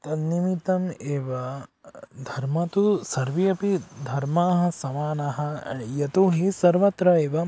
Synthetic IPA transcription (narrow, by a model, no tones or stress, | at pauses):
t̪ɐnimit̪ɐmeːʋɐ | d̪ʱɐɾmɐt̪usɐɾʋijɐpid̪ʱɐɾmaːɦɐ̆sɐmaːnɐɦɐjɐt̪uɦisɐɾʋɐt̪ɾɐeːʋɐ